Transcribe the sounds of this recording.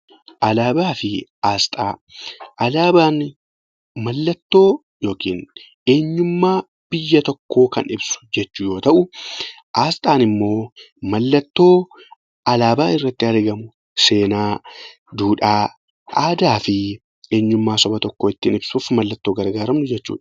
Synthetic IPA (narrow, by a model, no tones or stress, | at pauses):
ʔɐlaːbaːfɪʔaːst̪ʼaːʔɐlaːbaːn | mɐlːɐt̪ːo̞ː | jo̞ːkiːn | e̞ːɲːʊmːaː | b̥ɪjːɐt̪ɔkːo̞ːkɐ̰nɪbsʊ̥d͡ʒɛt͡ʃːʊjo̞ːt̪ɐʔʊ | ʔaːst̪ʼaːnɪmːo̞ː | mɐlːɐt̪ːo̞ː | ɐlaːbaːɪrːɐt̪ːɪɐɾɡɐmʊ | se̞ːnaː | d̪uːᶑaː | ʔaːd̪aːfɪ | e̞ːɲːʊmːaːsɔbɐt̪ɔkːo̞ːɪt̪ːiːnɪbsuːfmɐlːɐt̪ːoːɡɐɾɡaːɾɐmnʊd͡ʒɛt͡ʃːṵːᶑɐ̥